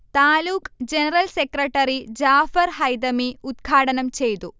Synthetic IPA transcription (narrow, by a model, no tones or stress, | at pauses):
t̪aːluːkd͡ʒenɐɾɐlsekɾɐʈɐɾid͡ʒaːfɐɾɦɐjd̪ɐmiud̪ɡʱaːʈɐnɐmt͡ʃejt̪u